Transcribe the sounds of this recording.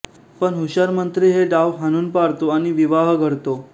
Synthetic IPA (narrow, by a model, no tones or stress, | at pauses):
pəɳɦuɕaɾmənt̪ɾiːɦeɖaʋɦanuːnpaɾt̪oaɽ̃iʋiʋaɦɡʱəɽt̪o